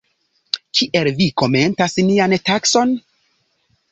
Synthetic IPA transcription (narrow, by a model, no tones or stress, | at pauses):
kʰiʔe̞lviko̞me̞ntasniantakso̞n